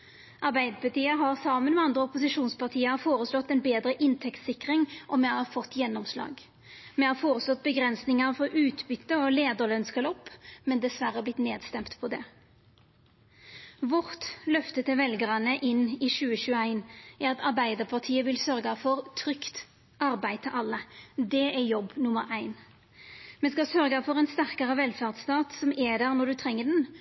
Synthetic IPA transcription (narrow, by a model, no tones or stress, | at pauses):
ʔɑʁbæɪd̪əpɑt̪iːəɦɑʁsɑːmənmɛɑnd̪ʁəɔpʊsɪʂuːnspɑʁt̪ʰiːəfoːʁəslɔt̪ːɛnbeːd̪ɾəʔɪnt̪ʰɛkt̪sɪkʁɪŋʔɔmɛɑɑfɔt̪ːjɛnːɔmslɑ̰ːɡ | mɛhɑːfoːʁəslɔt̪̚bəɡʁɛnsnɪŋəʁfɔʔʉːt̪bʏt̪ːəɔleːd̪əʁlœnskəlɔpːmɛnd̪ɛsʋæɾəblɪt̪neːd̪st̪ɛmt̪pʰɔd̪ɛ | ʋʊʁt̪lœft̪ət̪ʰɪlʋɛlɡəʁɑnəʔɪnːɪʃʉːəɕʉːəæɪnæɾʁɑt̪ʰɑʁbæɪd̪əʁpʰɑʁt̪ʰiːəʋɪlsœʁɡɑfɔʁt̪ʰʁʏkt̪ | ʔɑʁbæɪt̪ʰəʔɑlːəd̪ɛɛjɔbːnʊməɾʔæɪn | mɛnskɑsœʁɡɑfɔʁɛɪnst̪æʁkəʁəʋɛlfæʁd̪st̪ɑːt̪sɔmɛd̪æʁnɔd̪ʉt̪ʰʁɛŋːəd̪ɛn